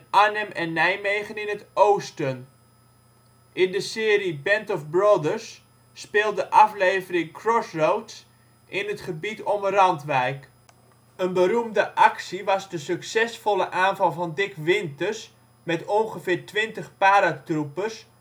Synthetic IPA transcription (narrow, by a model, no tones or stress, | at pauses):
ʔanəmɛnːɛjmejχənɪnətowstən | ʔɪndəsɪːɾibɛntɔfbrodəɹsː | pɪːlˠdəʔɑflejvərɪŋkʰrɔsrowts | ʔɪnətχəbitʰɔmərɑntʋɛjk | ənbəɾumdəʔɑksiʋɑzdəsøksɛsfɔləʔaːnvɑlˠvɑndɪkʋɪntərs | mɛtoŋχəfɪːrtʋɪntəχpaːɾatrupəs